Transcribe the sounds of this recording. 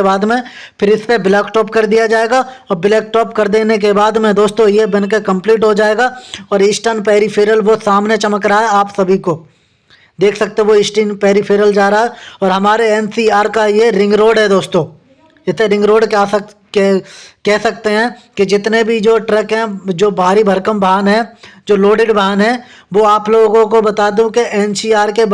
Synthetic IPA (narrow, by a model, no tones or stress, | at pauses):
ebaːd̪mẽ | pʰɪɾɪspebɪlɛːkʈɔːpkɐɾd̪ijad͡ʒaːeːɡaɔːɾbɪlɛːkʈɔːpkɐɾd̪eːnek̬ebaːd̪mẽd̪oːst̪õjebɐnk̬ekɐ̃mpliːʈɦod͡ʒaːeːɡaɔːɾɪsʈənpɛːɾipʰeːɾəlʋosaːmnet͡ʃɐməkɾaaɦɛaːpsɐbʱikoː | d̪eːkʰsɐk̚t̪ẽɦɛ̃ʋoɪsʈənpɛːɾipʰeːɾəld͡ʒaːɾaɦaɦɛɔːɾɦɐmaːɾeɛnsiːaːɾkajeɾɪ̃ŋɡɾoːɖɦɛd̪oːst̪õː | ɪt̪eɾɪ̃ŋɡɾoːɖkː | kɛɦsɐk̚t̪eɦɛ̃ː | kid͡ʒɪt̪nebʱid͡ʒoːʈɾɛkɦɛ̃d͡ʒoːbʱaːɾibʱɐɾkəmbʱaːnɦɛ̃d͡ʒoːloːɖɪɖbaːnɦɛ̃ | ʋoaːploːɡõkobɐt̪aːd̪ũkeʔɛnsiːaːɾke